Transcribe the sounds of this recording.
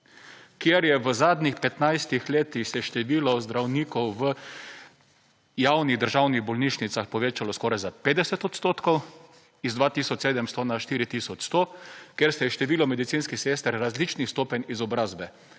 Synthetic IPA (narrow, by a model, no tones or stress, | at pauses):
kjeɾjɛʋəzaːd̪nʲixpɛt̪najst̪ixleːt̪ixsɛʃt̪ɛʋiːlɔzd̪ɾawniːkɔwʋə | jawniɣd̪əɾʒawniɣbɔlniːʃnit̪saxpɔʋeːt͡ʃalɔskɔːɾajzapeːd̪ɛsɛt̪ɔt̪st̪oːt̪kɔw | izd̪ʋaːt̪isɔt͡ʃseːd̪ɛmst̪ɔnaʃt̪iːɾit̪isɔt͡ʃst̪okjeɾst̪ɛjɛʃt̪ɛʋiːlɔmɛd̪it̪siːnskiseːst̪əɾːazlit͡ʃnist̪oːpɛnʲizɔbɾaːzbɛ